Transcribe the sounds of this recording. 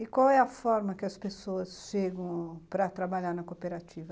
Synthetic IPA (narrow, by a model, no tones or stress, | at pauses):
ɪkwawɛɐfɔɾmɐkɪɐspesoɐsʃeɡɐ̃w̃pɾɐt̪ɾabaʎaɾnɐkopeɾat͡ʃivɐ